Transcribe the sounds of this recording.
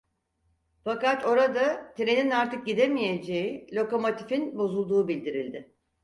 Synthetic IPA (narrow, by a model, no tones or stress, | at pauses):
fakat̪ʰo̞ɾad̪at̪ʰiɾeninaɾt̪ɯk̚ɟid̪e̞mije̞d͡ʒe̞jilʲo̞ko̞mo̞t̪ʰifinbo̞zulˠd̪uːbilʲd̪iɾilʲd̪ɪ